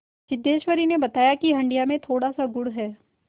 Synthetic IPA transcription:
ʃɪd̪ːeːʃwəɾinebɐt̪aːjakiɦɐ̃ɳɖijamẽt̪ʰoːɽasaɡʊɽɦɛː

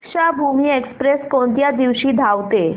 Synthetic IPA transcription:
kɕabʱumiːekspɾeskoɳt̪jad̪iʋɕiːd̪ʱaʋt̪e

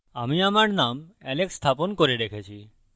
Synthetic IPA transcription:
amiamaɾnamɛlekst̪ʰapɔnkɔɾeɖ̪ekʰet͡ʃʰi

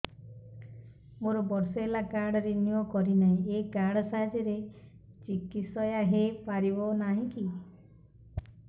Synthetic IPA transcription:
moɾɔbɔɾsɔelakaɾɽɔɾenjɔkɔɾinaĩekaɾɽɔsaɦd͡ʒɔɾe | t͡ʃikit̪sɔjaɦepaɾibɔnaɦĩki

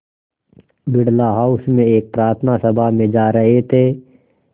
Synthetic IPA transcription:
bɪɽlaɦaːusmẽeːk̚pɾaːɾt̪ʰnasəbʱamẽd͡ʒaːɾɐɦet̪ʰeː

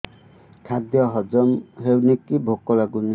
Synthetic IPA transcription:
kʰad̪jɔɦɔd͡ʒɔmɦewnekibʱokɔlaɡuni

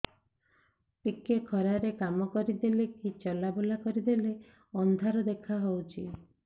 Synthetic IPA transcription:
pikekʰɔɾaɾekamɔkɔɾid̪elekit͡ʃɔlabulakɔɾid̪ele | ɔnd̪ʱaɾɔd̪ekʰaɦowt͡ʃʰi

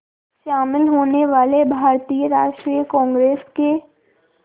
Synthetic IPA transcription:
ʃaːmɪlɦoːneʋaːlebʱaːɾt̪ijəɾaːʃʈɾijəkɔ̃ːŋɡɾeːske

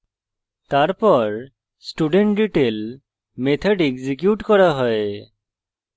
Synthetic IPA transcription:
t̪aɹpɔɹ | sʈuɖeɳʈɖiʈel | met̪ʰɔɖeɡzik̬juʈkɔɹaɦɔj

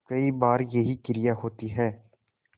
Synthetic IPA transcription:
kəiːbaːɾjəɦiːkɪɾɪjaːɦoːt̪iɦɛː

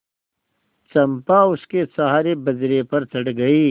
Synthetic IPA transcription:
t͡ʃɐmpaʊskesɐɦaːɾebɐzɾepɐɾt̪ɐɽɡɐiː

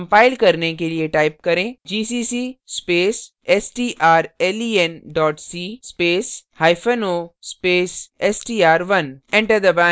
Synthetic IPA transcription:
mpaːɪlkɐɾnekelieʈaːɪp̚kɐɾẽd͡ʒiːsiːsiːspeːs | esʈiːʔaːɾeːliːenɖɔːʈsiːspeːshaːjfənoːspeːsesʈiːaːɾʋɐnẽɳʈəɾd̪ɐbã

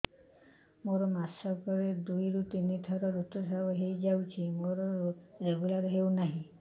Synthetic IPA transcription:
moɾɔmasɔkɔɾed̪ujɾut̪init̪ʰɔɾɔɾut̪ɔs̬abɔɦejd͡ʒawt͡ʃʰimoɾɔɾeɡulaɾɔɦewnaɦĩ

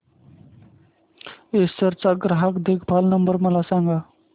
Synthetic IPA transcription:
esəɾt͡saɡɾaɦakd̪ekʰbʱalnəmbəɾməlasaŋɡa

